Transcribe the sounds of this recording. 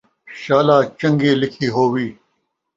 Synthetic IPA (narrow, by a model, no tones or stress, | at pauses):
ɕaːlaːt͡ʃɐ̃ŋɡeːlɪkʰiːɦoːwiː